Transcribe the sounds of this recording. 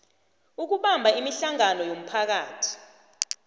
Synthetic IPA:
uk̬uɓambʱaimiɬaŋanɔjom̩pʰak̬aːtʰi̥

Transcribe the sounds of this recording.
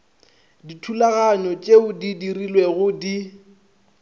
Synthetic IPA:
ditʰulaɣaɲɔt͡ʃʼeʊdidirilweɣʊdi

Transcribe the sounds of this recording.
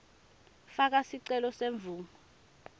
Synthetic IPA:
fak̬asiǀɛlɔseɱb̪vʱuːŋɔ

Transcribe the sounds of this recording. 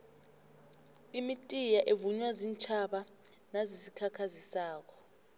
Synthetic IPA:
imitʼijaʔevuɲwazint͡ʃʰaɓa | nazisikʰakʰazisaːk̬ɔ̥

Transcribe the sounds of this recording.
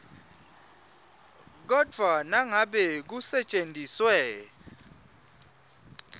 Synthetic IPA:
k̬ɔd̥ʱwanaŋaɓɛk̬usɛt͡ʃʼentʼiswɛː

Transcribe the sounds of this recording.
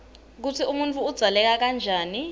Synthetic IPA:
k̬utʰiumuntʰʼuːd̥z̥ʱalɛk̬ak̬and͡ʒʱaːni

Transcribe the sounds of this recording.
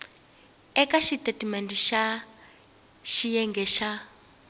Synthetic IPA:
ɛkaʃitʼetimɛntiʃa | ʃijɛŋɡɛʃa

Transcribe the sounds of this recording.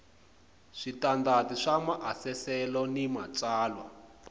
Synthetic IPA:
ʂitandatiʂamaʔasɛsɛlɔnimat͡saːlwa̰

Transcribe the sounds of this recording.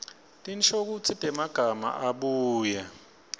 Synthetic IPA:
tʼint͡ʃʰʼok̬ut͡sʰitʼɛmaɡ̥ʱama̰ʔaɓuːjɛ

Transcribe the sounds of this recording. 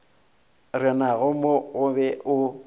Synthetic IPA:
rɪnaɣʊmoɣʊbɛʔʊ

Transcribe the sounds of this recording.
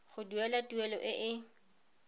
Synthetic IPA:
χʊduɛlatuɛlɔʔɪʔɪ

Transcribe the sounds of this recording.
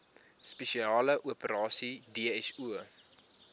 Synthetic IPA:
speʃiɑːləʔuəpəɾɑːsideəɛsuə

